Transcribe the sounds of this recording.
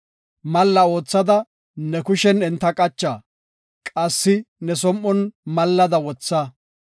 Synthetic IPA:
mɐlːɐo̞ːt͡sːɐd̪ɐ | nɛkʊʃɛnɪnt̪ːɐkʼɐt͡ʃːaː | kʼɐsːɪnɛs̬ɔmʔːɔnmɐlːɐd̪ɐwɔt͡sːɐ

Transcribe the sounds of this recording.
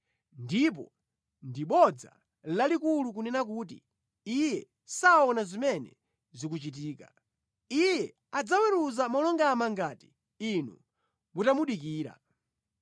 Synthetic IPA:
ndip̬ɔ | ndiɓɔd͡za̰ | lalikulukunɛnak̬uːt̬ḭ | ijɛ | saɔnazimɛnɛ̰ | zik̬ut͡ʃit̬iːka | ijɛ | ad͡zawɛɾuzamɔlɔŋɡamaŋɡati̥ | inṵ | mutamuɗikiːɾa̰

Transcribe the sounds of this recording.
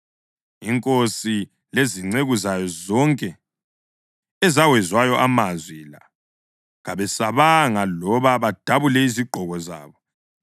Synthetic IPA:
iŋkʼosi | leziŋ͡ǀeɣuzajɔzɔŋkʼɛ | ɛzawɛzwajɔʔamazwila̰ | ɣaβɛsaβaŋalɔβaβad̥ʱaβulɛiziɡ͡ǃʱɔɣɔza̰ːβɔ

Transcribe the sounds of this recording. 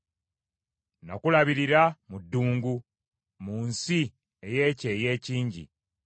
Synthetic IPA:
no̰kulaβiɾiɾamudːuːŋɡu | munsi | eje̞ːceːje̞ːciːɲɟḭ

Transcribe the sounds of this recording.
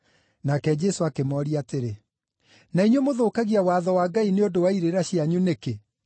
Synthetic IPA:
nakɛd͡ʑɛsoakemɔɾiateɾe | naiɲwemoðoːkaɣiawaːðɔwaːɡaineodowaiɾeɾaɕiaɲuneke

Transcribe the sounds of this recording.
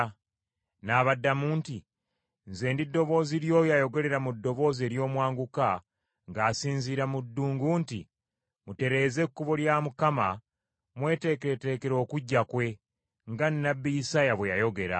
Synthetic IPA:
naːβadːamuːnti | nze̞ːndidːo̞βo̞ːziɾjo̞jajo̞ɡe̞le̞ɾamudːo̞βo̞ːze̞ɾjo̞ːmwaːŋɡuka | ŋɡaːsiːnziɾamudːuːŋɡuntḭ | mute̞ɾe̞ːze̞kːuβoljaːmukama | mwe̞ːte̞keete̞ːke̞ɾo̞ːkuɟːakwe̞ | ŋɡanːabːijisajaβwejajo̞ɡe̞ɾa̰

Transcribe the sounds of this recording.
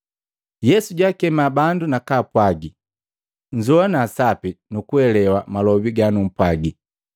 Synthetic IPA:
jɛsuɟakɛmabandunakaːpwaɡi | ɲd͡ʒɔanaːsapinukuɛlɛwamalɔbiɡanum̩pwaɡi

